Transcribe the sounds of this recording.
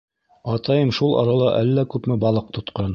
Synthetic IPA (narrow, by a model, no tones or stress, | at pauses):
ɑt̪ɑjɤmʃulˠɑ̰ɾɑlˠɑʔælːækʉpmɘbɑlˠɤq̚t̪ŏt̪qɑn